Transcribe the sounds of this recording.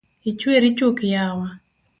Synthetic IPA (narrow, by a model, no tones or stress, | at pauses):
it͡ʃweɾit͡ʃokjawa